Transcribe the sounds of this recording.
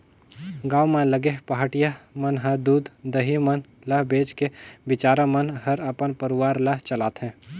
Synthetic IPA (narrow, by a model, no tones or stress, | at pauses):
ɡaːwmẽləɡeɦpaɦaʈijamənɦɐɾd̪uːd̪d̪əɦimən | ləɦbeːt͡ʃkebɪt͡ʃaːɾamənɦəɾəpənpəɾʊwaːɾlɐɦt͡ʃəlaːt̪ɦɛ̃ː